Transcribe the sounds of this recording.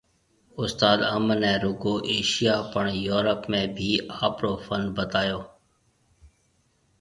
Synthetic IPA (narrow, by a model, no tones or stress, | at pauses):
ʊst̪aːd̪əmənɛ̃ːɾʊɡoːʔeːʃijaːpəɳjoːɾəpmẽːbʱiːaːpɾoːfʰənbət̪aːjoː